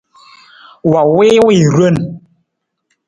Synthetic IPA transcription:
wa˨wi˦wi˦˨ɾwə˦˨n

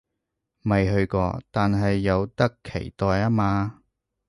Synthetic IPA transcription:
mɐ˨jɦɵ˧ɥkɔ̰ː˧t̪aː˨nɦɐ˨jːɐ˨˧wt̪ɐ˥kʰːḛ˨˩jt̪ɔː˨jaː˥maː˧

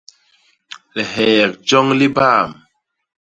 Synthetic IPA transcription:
lɛ˨ɦɛ˨k̚d͡ʒɔ˦ŋli˦baː˦˨m

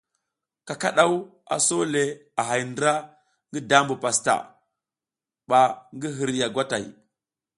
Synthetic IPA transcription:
ka˨ka˦˨ɗa˦wu˦ | a̰˨so˦le˨a˨ɦa˨jndɾa˦ | ŋɡi˦da˦mbu˨pa˨sta̰˨ | ɓa˨ŋɡi˦ɦi˨ɾja˨ɡʷa˦ta̰˨i˨

